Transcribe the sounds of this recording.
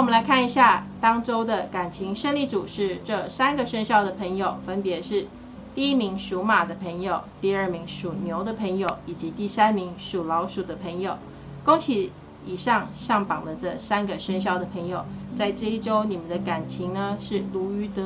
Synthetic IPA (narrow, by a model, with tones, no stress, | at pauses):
wmə˦nla˧˥ɪkʰa˥˩ni˧˥ɕja˥˩t̪ɑ˥ŋʈ͡ʂo˥ʊd̪ə˨ka˨˩nt͡ɕʰi˧˥ŋʂə˥˧nli˥˩ʈ͡ʂu˨˩ʂɻ̩˥˧ʈ͡ʂɤ˥˩sa˥nɡə˨ʂə˥nɕjɑ˥˩ʊd̪ə˩pʰə˧˥ŋjo˨˩ʊfə˥npjɛ˧˥ʂɻ̩˥˧ | t̪i˥˩i˥mi˧˥ŋʂu˧˥ma˨˩d̪ə˦pʰə˧˥ŋjo˨˩ʊt̪i˥˧ə˞˥˩mi˧˥ŋʂu˨˩njo˧˥ʊd̪ə˧˨pʰə˧˥ŋjo˨˩ʊi˨˩t͡ɕi˧˥t̪i˥˩sa˥nmi˧˥ŋʂu˨˩lɑ˧˥ʊʂu˨˩d̪ə˦pʰə˧˥ŋjo˨˩ʊ | kʊ˥ŋt͡ɕʰi˧˥ | i˨˩ʂɑ˥˧ŋʂɑ˥˩ŋpɑ˨˩ŋd̪ə˦ʈ͡ʂɤ˥˩sa˥nɡə˨ʂə˥nɕjɑ˥˩ʊd̪ə˩pʰə˧˥ŋjo˨˩ʊt͡sa˥˧ɪʈ͡ʂɤ˥˧i˥˩ʈ͡ʂo˥ʊni˨˩mə˨˦nd̪ə˧ka˨˩nt͡ɕʰi˧˥ŋnə˧ʂɻ̩˥˩lu˧˥y˧˥t̪ɤ˧˥